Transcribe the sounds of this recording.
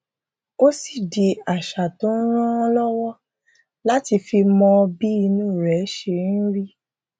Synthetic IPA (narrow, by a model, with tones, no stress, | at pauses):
o˦si˦˨de˧a˨ʃa˨tõ˨˦ɾ̃ã˦ɔ˧lɔ˦wɔ˦ | la˦ti˧fi˧mɔ̃˧bi˦i˧nũ˦˨ɾɛ˨˦ʃe˧˦ɾi˦